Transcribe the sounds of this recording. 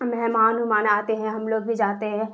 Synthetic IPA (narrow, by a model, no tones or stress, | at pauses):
mɛɦmaːnɦʊmaːnaːt̪eɦɛ̃ɦɐmloːɡ̚bʱid͡ʒaːt̪eɦɛ̃ː